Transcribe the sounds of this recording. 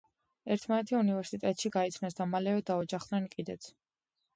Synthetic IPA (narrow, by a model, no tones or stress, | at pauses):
ɛɾt̪ʰmanɛt̪ʰiunivɛɾsit̪ʼɛt̪ʼʃiɡait̪sʰnasd̪amalɛvɛd̪aɔd͡ʒaχd̪nɛnkʼid̪ɛt̪sʰ